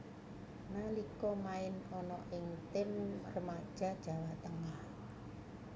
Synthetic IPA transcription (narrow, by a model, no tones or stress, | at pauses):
nalikɔmaɪnɔnɔʔɪŋt̪ɪmrəmad̥ʒ̥a̤d̥ʒ̥a̤wat̪əŋah